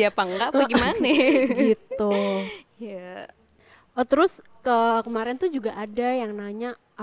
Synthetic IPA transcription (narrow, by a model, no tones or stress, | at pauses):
apaŋɡaʔaɡimanaɡit̪u | ja | ot̪əɾʊs | kəkəmaɾɛnt̪ud͡ʒuɡaʔadajaŋnaɲaː